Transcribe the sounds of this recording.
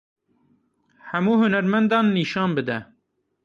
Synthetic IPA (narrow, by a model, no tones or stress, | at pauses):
hæmuːhʊnæɾmɛnd̪ɑːnːiːʃɑːnbɨd̪ɛ